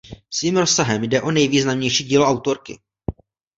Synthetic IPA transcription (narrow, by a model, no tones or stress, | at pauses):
sviːmɾo̞sːaɦɛmjdɛʔo̞nɛjviːznamɲɛjʃiːɟiːloʔawt̪o̞ɾkɪ̰